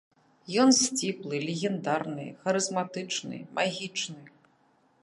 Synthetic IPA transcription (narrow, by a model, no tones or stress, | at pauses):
jɔnsʲt͡sʲiplˠɨlʲeɣʲɛnd̪arnɨ̰xɐɾɨzmat̪ɨt͡ʂnɨ̰mʔaɣʲit͡ʂnɨ